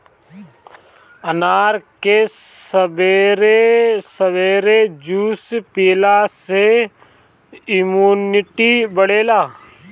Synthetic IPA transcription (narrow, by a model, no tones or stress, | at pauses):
ənaːɾkesəbeɾesəʋeːɾed͡ʒuːspeːlase | ɪmuːnɪʈibəɽeːlaː